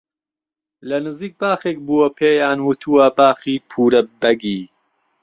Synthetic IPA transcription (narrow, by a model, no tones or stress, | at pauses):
lɐnɨziːk̚baːxek̚buwɐpʰeːjaːnwɨt̪ʰuwɐbaːxiːpʰuːɾɐbɐɡiː